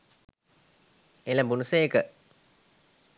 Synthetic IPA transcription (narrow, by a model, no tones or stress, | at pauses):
elabunuseekə